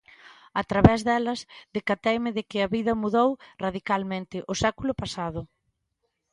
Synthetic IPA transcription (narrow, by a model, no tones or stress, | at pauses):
at̪ɾaβɛzðɛlɐzðekat̪ɛjmɪðɪkɪɐβiðɐmuðowraðikalmẽnt̪ɪʔʊsɛkulʊpasaðʊ